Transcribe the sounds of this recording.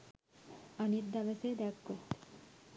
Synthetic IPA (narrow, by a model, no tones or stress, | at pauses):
anit̪d̪abesed̪ɛkʰkoɾt̪ʰe̥